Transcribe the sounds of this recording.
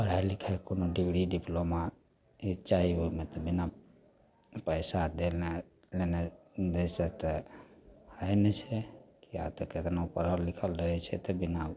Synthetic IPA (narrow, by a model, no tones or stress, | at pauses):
pəɾɦalikʰəkonoɖibɽiɖiploma | it͡ʃaɦiɦomet̪ɔbina | pəɪsad̪elne | lened̪esət̪ɛ | həjnet͡ʃʰɛkia̰t̪ɔket̪naupəɾəlːikʰəlɾəɦɛt͡ʃʰɛ̰t̪ɔbina